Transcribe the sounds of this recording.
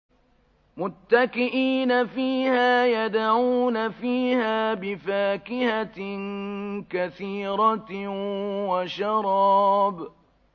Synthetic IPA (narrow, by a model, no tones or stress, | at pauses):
mʊt̪ːakɪʔiːnafiːhaːjad̪aʕuːnafiːhaːbɪfaːkɪhankaθiːɾɑ | waʃɑɾˤɑːb